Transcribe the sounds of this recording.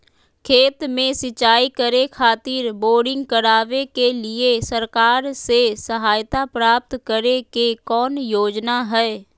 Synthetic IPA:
kʰeːt̪mẽsɪt͡ʃaːikəɾekʰaːt̪ɪːɾboːɾɖɪ̃ŋɡkəɾaːʋekelɪesəɾkaːɾsesəɦaːjt̪apɾaːp̚t̪kəɾekekɔːnjoːd͡ʒnaɦɛː

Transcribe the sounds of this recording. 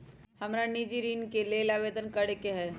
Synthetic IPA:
hɐmɾanid͡ʒiɾiːnkeleːlaʋeːd̪ənkɐɽekeɦɛː

